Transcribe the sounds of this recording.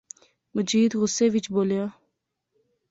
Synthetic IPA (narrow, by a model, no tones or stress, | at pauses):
məd͡ʒiːd̪ɣʊseʋit͡ʃboːlja